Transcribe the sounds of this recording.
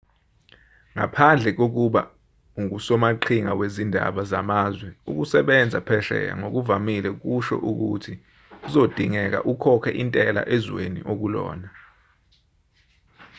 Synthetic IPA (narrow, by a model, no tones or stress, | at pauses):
ŋapʰand͡ɮʱɛk̬ok̬uɓa̰ | uŋusɔmaǃʰiŋawezindʱa̰ɓazamazwɛṵk̬usɛɓɛnd͡zʱapʰɛʃɛ̰ja̰ŋok̬uvamilɛk̬uʃɔ̰ʔuk̬ṵtʰi | uzod̥ʱiŋɛk̬a̰ʔukʰɔkʰɛʔintʼɛla̰ʔezwenḭʔok̬ulɔ̰ːna